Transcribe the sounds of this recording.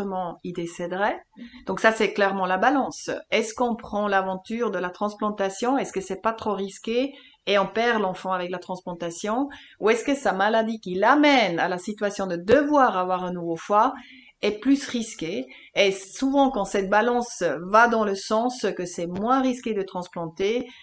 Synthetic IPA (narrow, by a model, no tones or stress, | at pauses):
əmɑ̃id̪esɛd̪ʁɛd̪ɔ̃ksasɛklɛʁmɑ̃labalɑ̃sɛskɔ̃pχɑ̃lavɑ̃t̪yːʁd̪əlat̪χɑ̃splɑ̃t̪asjɔ̃ɛskəsɛpat̪χoʁiskʲe | eɔ̃pɛʁlɑ̃fɑ̃avɛklat̪χɑ̃splɑ̃t̪asjɔ̃ | uɛskəsamalad̪ikʲilamɛna̰lasit̪yɥasjɔ̃d̪əd̪əvwaːʁavwaʁɛ̃nuvofwa | ɛplysʁiskeː | suvɑ̃kɑ̃sɛt̪̚balɑ̃svad̪ɑ̃ləsɑ̃skəsɛmwɛ̃ʁiskʲed̪ət̪χɑ̃splɑ̃t̪e